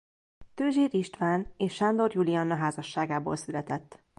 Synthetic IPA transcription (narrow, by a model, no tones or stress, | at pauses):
t̪øːʒeːɾiʃt̪ʋaːneːʃːand̪o̞rjuliɒnːɒɦaːzɒʃːaːɡaːbo̰ːlsylɛt̪ɛt̪ː